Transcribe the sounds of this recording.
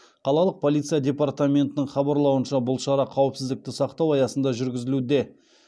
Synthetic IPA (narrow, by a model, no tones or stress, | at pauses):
qʰɑlˠɑlˠəq̚pʰo̞lˠit̪sɨjadʲe̞pɑrt̪amʲe̞nt̪ɪnɪɴχɑbɑɾlˠɑwənʃɑbʊlˠʃɑɾɑqʰɑwəpsɪzd̪ɪk̚t̪ɪsɑqt̪ɑwɑjɑsənd̪ɑʒʏɾɡʲɪzɪlud̪e̞